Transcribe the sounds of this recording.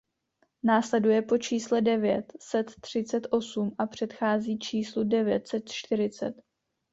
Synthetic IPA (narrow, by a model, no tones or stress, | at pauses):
naːslɛdujɛpo̞t͡ʃiːslɛdɛvjɛt̪sɛt̪ːr̝̥ɪt͡sɛt̪ʔo̞sumʔapr̝̥ɛt̪xaːziːt͡ʃiːsludɛvjɛ̰t̪sɛt̪t͡ʃt̪ɪɾɪt͡sɛ̰t̪